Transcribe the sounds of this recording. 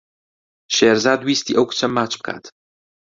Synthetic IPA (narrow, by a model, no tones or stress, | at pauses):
ʃeɾzaːd̪wiːst̪iːʔɐwku̥t͡ʃʰɐmːaːt͡ʃbɨ̥kʰa̰ːt̪